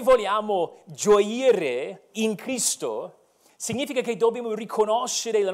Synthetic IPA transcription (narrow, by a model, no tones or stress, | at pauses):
vɔljamʊd͡ʒɔjiɾeɪnkʰɾisto̰ | sɪɡɲifɪkakejdobimorikʰɔnɔʃɪɾela